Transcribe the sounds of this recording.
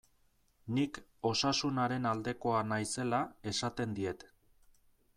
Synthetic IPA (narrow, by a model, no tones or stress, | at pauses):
niko̞sasunaɾe̞nald̪e̞ko̞anajse̞lae̞sat̪e̞nd̪ie̞t̪